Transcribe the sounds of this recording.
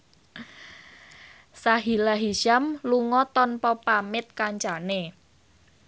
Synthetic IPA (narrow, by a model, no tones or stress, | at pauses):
saɦilaɦiʃamluŋɔt̪ɔnpɔpamɪt̪̚kaɲt͡ʃane